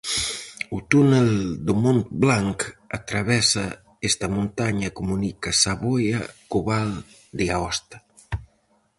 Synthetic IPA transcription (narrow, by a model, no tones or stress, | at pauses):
ut̪uneld̪umont̪̚blaŋkat̪ɾaβɛsa | est̪ɐmunt̪aɲɐkumunikasaβojakuβal | d̪iaɔst̪ḁ